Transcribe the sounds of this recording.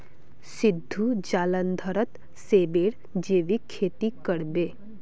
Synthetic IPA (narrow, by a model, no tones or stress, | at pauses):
sɪd̪ʱːud͡ʒaːlənd̪ʱəɾət̪ | seːbeːɽ | d͡ʒeːʋikʰːeːt̪ikəɽbeː